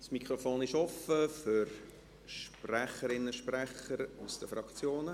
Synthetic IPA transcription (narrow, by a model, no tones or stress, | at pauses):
smikʰɾofoːnɪʃɔfəfʏɾ | ʃpræχəɾɪnːəʃpræχəɾusd̥əfɾɑkt͡sjoːnə